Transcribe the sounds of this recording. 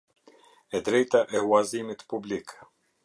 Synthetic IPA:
ɛd̪ɾɛjt̪aʔɛuazimit̪publik

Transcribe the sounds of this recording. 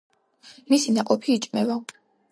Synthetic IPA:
misinaqʼɔpʰiːt͡ʃʼmɛva

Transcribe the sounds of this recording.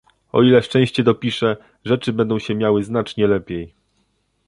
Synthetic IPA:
ɔ̰ilɛʂt͡ʂɛ̃ɕt͡ɕɛd̪ɔpʲiʂɛ | ʐɛt͡ʂɘbɛnd̪ɔ̃w̃ɕɛmʲjawɘznat͡ʂɲɛlɛpʲjej

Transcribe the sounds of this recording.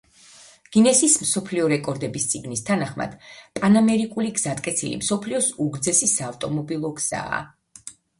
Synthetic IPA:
ɡ̥inɛsismsɔpʰliɔɾɛkʼɔɾd̪ɛbist̪sʼiɡnist̪ʰanaχma̰d̪̥pʼanamɛɾikʼuliɡz̥at̪ʼkʼɛt̪sʰilḭmsɔpʰliɔsuɡɾd̪zɛsisaːft̪ʼɔmɔbilˠɔɡz̥a̰ː

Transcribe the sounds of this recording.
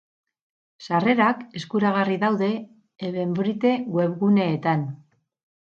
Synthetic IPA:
sare̞ɾake̞skuɾaɣ̞ariðawðe̞ | eβe̞mbɾit̪e̞ɣwe̞βɣune̞ːt̪an

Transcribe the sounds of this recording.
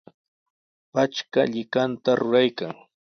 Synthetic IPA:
pat͡ʃkaʎɪkant̪aɾʊɾajkaŋ

